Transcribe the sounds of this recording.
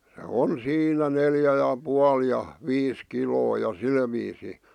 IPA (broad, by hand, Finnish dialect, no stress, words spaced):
se on siːnæ neljæ jɑ puɑl jɑ ʋiːs kiloː jɑ sil ʋiːsi